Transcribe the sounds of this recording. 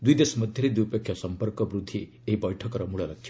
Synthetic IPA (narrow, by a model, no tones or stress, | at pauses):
d̪ujd̪esɔmɔd̪ʱjɔɾid̪ijpekʰːjɔsɔmpɔɾkɔbɾud̪ʱːi | eɦibɔjʈʰɔkɔɾɔmuɭɔlakʰːjɔ